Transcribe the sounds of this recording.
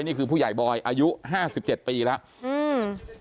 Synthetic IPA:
jniː˥˩kʰɯː˧pʰuː˥˩jaː˨˩jbɔː˧jʔaː˧ju˦˥ʔɦaː˥˩si˨˩p̚t͡ɕe˨˩t̪̚piː˧lɛ˦˥ʔ | ʔɯː˧˩m

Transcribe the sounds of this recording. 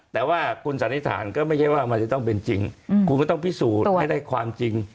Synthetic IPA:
t̪ɛː˨˩waː˥˩kʰu˧nsa˨˦ntʰi˦˥˩t̪ʰa̰ː˩˦nkɔː˥˩ma˥˩jkʰa˥˩waː˥˩ma˧nt͡ɕa˨˩t̪ɔ˥˩ŋpe˧nt͡ɕi˧ŋkʰu˧nkɔː˥˩t̪ɔ˥˩pʰiː˦˥˩suː˨˩˧jdaː˥˩jkʰwaː˧mt͡ɕi˧ŋ

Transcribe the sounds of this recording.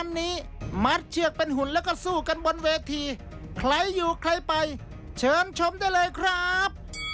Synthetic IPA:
a˧nːiː˦˥ma˦˥t̪̚t͡ɕʰɯ˧˩ək̚pe˧nɦu˩˦nlɛː˦˥wkɔ˥˩suː˨˩ka˧nbo˧nweː˧t̪ʰiː˧ | kʰla˦˥jːuː˨˩kʰla˦˥jpa˧j | t͡ɕʰɤː˧nt͡ɕʰo˧mdaː˥˩jlɤː˧jkʰɾa˦˥p̚

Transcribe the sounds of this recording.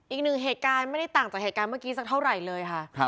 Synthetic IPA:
ʔiː˨˩k̚nɯ˨˩ŋɦeː˨˩t̪̚kaː˧nma˥˩jda˥˩jt̪aː˨˩ŋt͡ɕaː˨˩k̚e˨˩t̪̚kaː˧nmɯ˥˩kiː˦˥sa˨˩k̚t̪ʰa˥˩wɾa˨˩jlɤː˧jkʰa˥˩ʔ

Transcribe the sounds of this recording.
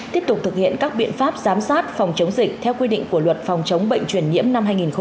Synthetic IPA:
t̪i˦˥əp̚t̪ʊ˨˩k͡p̚t̪ʰɨ˨˩k̚hḭ˧˨ənkaː˦˥k̚ɓḭ˧˨ənfaː˦˥p̚zaː˨˦msaː˦˥t̚fa˨˩wŋ͡mt͡ɕə˨˦wŋ͡mzï˨˩k̟̚t̪ʰɛ˧wkwi˧ɗḭ̈˧˨ŋ̟ku˧˩əlwə˨˩t̚fɔ˨˩wŋ͡mt͡ɕə˨˦wŋ͡mɓə̰˧˨jŋ̟t͡ɕwi˧˩ənɲḭ˧˥əmna˧mɦaː˧jŋi˨˩nxə˧

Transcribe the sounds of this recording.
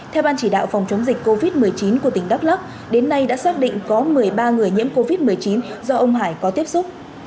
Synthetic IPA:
t̪ʰɛ˧wɓaː˧nt͡ɕi˧˩ɗa̰ː˧˨wfa˨˩wŋ͡mt͡ɕə˨˦ŋ͡mzi˨˩k̟ko˧vi˦˥t̚mɨ˨˩əjt͡ɕi˨˦nku˧˩ət̪ï˨˩ŋɗa˦˥p̚la˦˥p̚ | ɗe˨˦nːa˧jɗa̰ː˧˥saː˦˥k̚ɗḭ˧˨ŋkɔ˨˦mɨ˨˩əjɓaː˧ŋɨ˨˩əjɲḭ˧˥mko˧vi˦˥t̚mɨ˨˩əjt͡ɕi˨˦nzɔ˧ʔə˧wŋ͡mɦaː˧˩jkɔ˨˦t̪i˦˥əp̚sʊ˦˥k͡p̚

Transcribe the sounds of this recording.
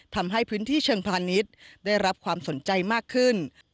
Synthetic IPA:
t̪ʰa˧mɦa˥˩jpʰɯː˦˥nt̪ʰiː˥˩t͡ɕʰɤː˧ŋpʰaː˧ni˦˥t̪̚daː˥˩jɾa˦˥p̚kʰwaː˧mso˩˦nt͡ɕa˧jmaː˥˩kʰːɯ˥˩n

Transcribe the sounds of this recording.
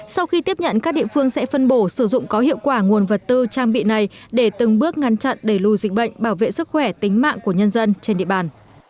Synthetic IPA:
sa˧wxi˧t̪i˦˥əp̚ɲə̰˧˨nkaː˦˥k̚ɗḭ˧˨əfɨ˧əŋsɛ̰˧˥fə˧nɓo˧˩sɨ˧˩zʊ̰˧˨ŋ͡mkɔ˨˦hḭ˧˨əwkwaː˧˩ŋu˨˩ənvə˨˩t̚t̪ɨ˧t͡ɕaː˧ŋɓḭ˧˨na˨˩jɗe˧˩t̪ɨ˨˩ŋɓɨ˦˥ək̚ŋa˨˦nt͡ɕa̰˧˨nɗe˧˩lu˧zi˨˩k̟̚ɓə̰˧˨jŋ̟ɓaː˧˩wvḛ˧˨sɨ˦˥k̚xwɛ˧˩t̪ï˨˦ŋ̟ma̰ː˧˨ŋku˧˩əɲə˧nzə˧nt͡ɕe˧nɗḭ˧˨ə˨ɓaː˨˩n

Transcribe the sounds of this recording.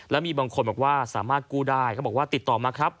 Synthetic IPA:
lɛː˦˥miː˧baː˧ŋkʰo˧nbɛː˨˩p̚waː˥˩saː˩˦maː˥˩t̪̚kuː˥˩daː˥˩jkʰːbɔː˨˩kwːt̪i˨˩t̪ːɔː˨˩maː˧˩kʰɾa˦˥p̚

